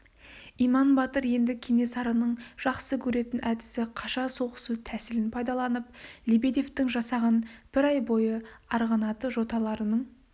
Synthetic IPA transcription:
ijmɑnbɑt̪əɾje̞nd̪ɪkʲʰe̞ŋe̞sɑɾənəɴʒ̥ɑqsəkʲʰɵɾe̞t̪ɪnʔæd̪ɪsɪqʰɑʃɑso̞qə̥sut̪ʰæsɪlɪnpʰɑjd̪ɑlˠɑnəp̚lʲibed̪e̞ft̪ɪŋʒɑsɑʁɑnb̥ɪɾɑjbo̞jəɑɾʁɑnɑt̪əʒo̞t̪ɑlˠɑɾənəɴ

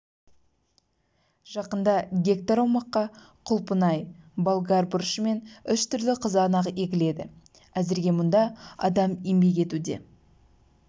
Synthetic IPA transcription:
ʒ̥ɑqənd̪ɑɡʲe̞k̚t̪aɾɑwmɑqːɑ | qʰʊlˠpənɑjbolˠɡaɾbʊɾʃəme̞nʏʃt̪ʏɾlɪqʰəzɑnɑʁekʲɪle̞d̪ɪ | æzɪɾɡʲe̞mʊnd̪ɑɑ̰d̪ɑmimbe̞k̬e̞t̪ud̪e̞̰

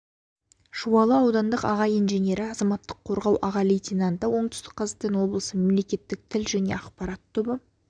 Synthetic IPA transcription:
ʒuwɑlˠəɑwd̪ɑnd̪əqɑʁɑjijnʒenʲe̞ɾɪɑzɑmɑt̪ːəqʰːoɾʁɑwʔɑʁɑlejt̪ʲinant̪əwo̞ɴt̪ʏ̥st̪ɪ̥k̚qʰɑzqt̪enwo̞blˠəsəmemle̞kʲe̞t̪ːɪk̚t̪ʰɪlʒæne̞̰ɑqpɑɾɑt̪ʰːʏbə

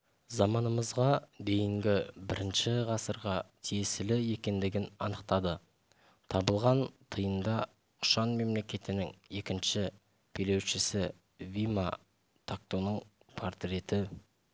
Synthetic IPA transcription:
zɑmɑnəməzʁɑd̪e̞jɪŋɡʲɪbɪɾɪnʃɪʁɑsəɾʁɑt̪ʰijesɪlɪe̞kʲe̞nd̪ɪɡʲɪnɑ̰nəqt̪ɑd̪ə | t̪ʰɑbəlˠʁɑnt̪ʰəjənd̪ɑ | qʰʊ̥ʃɑnme̞mle̞kʲe̞t̪ɪnɪŋe̞kʲɪnʃɪ | pʰele̞wʃɪsɪ | vima | t̪ʰak̚t̪onəɴ | pʰoɾt̪ɾʲe̞t̪ɪ

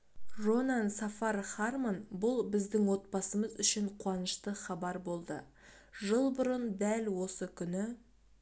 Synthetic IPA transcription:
ʒo̞nansɑfɑrχɑrmanbʊlˠbɪzd̪ɪŋwo̞t̪̚pɑsəməzʏʃɪɴqʰwɑnəʃt̪əχɑbɑɾbo̞lˠd̪ə | ʒəlˠbʊɾənd̪ælwo̞səkʲʰʏnɪ

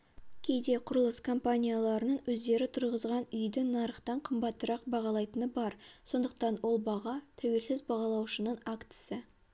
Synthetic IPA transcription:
kʲʰe̞jd̪e̞qʰʊɾəlˠəskʰo̞mpanʲijalˠɑɾənəɴwɵzd̪e̞ɾɪt̪ʰʊɾʁəzʁɑnʏjd̪ɪnɑɾəχt̪ɑɴqʰəmbɑt̪ːəɾɑq̚bɑʁɑlˠɑjt̪ənəbɑɾso̞nd̪əq̚t̪ɑnwo̞lˠbɑʁɑt̪ʰæwe̞lsɪzbɑʁɑlˠɑwʃənəɴakt̪ɪ̥sɪ

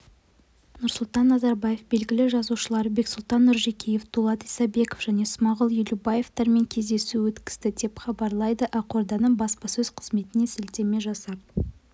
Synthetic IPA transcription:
nʊɾsʊlˠt̪ɑnːɑzɑɾbɑje̞fbe̞lɡʲɪlɪʒɑzuʃəlˠɑɾbe̞ksʊlˠt̪ɑnːʊɾʒe̞kʲije̞ft̪ʰulˠɑt̪isɑbe̞kofʒ̥æne̞smɑʁəlˠjʏlubɑje̞ft̪ɑɾme̞ŋkʲʰe̞zd̪e̞suwɵt̪kʲɪ̥sd̪ɪd̪e̞pχɑbɑɾlˠɑjd̪əʔɑqoɾd̪ɑnəɴbɑspɑsɵzqʰəz̥me̞t̪ɪne̞sɪlt̪e̞me̞ʒɑsɑp̚

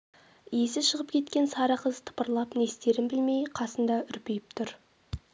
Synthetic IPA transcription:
jesɪʃəʁəpkʲʰe̞t̪kʲe̞nsɑɾəqʰəzt̪ʰə̥pəɾlˠɑpne̞st̪e̞ɾɪnbɪlme̞jqʰɑsənd̪ɑʔʏɾpejɪpt̪ʰʊɾ

